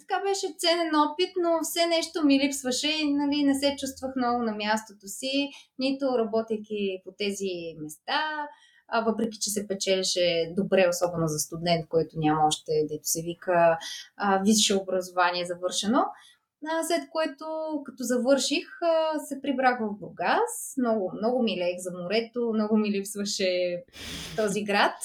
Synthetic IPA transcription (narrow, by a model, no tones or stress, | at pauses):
t̪ɐ̥kabɛʃɛt̪sɛnɛnɔpit̪nofsɛnɛʃt̪omilipsvəʃɛinɐlinɛsɛt͡ʃust̪vəxnɔvʊnɐmjast̪ot̪osinit̪oɾɐbɔt̪ɛjkʲipot̪ɛzimɛst̪a | vɤpɾɛkʲi̥t͡ʃɛsɛpɛt͡ʃɛlɛʃɛd̪obɾɛosɔbɛnozɐst̪ud̪ɛnt̪̚kɔjt̪ʊnʲamɐɔʃt̪ɛd̪ɛt̪o̥sɛvikə | visʃɛʊbɾɐzovaniɛzɐvɤɾʃɛno | əslɛt̪koɛt̪okɐt̪ɔzɐvɤɾʃixəsɛpɾibɾaxvəvbʊɾɡasmnɔɡʊmnɔɡʊmilɛxzɐmʊɾɛt̪omnɔɡʊmilipsvɐʃɛ | t̪ɔziɡɾat̪